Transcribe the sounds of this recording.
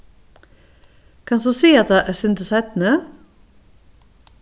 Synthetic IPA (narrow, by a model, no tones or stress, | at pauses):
kʰɑnsuːsiːɑt̪̚d̪ɑːʔæːsɪnd̪əsæt̪n̩ə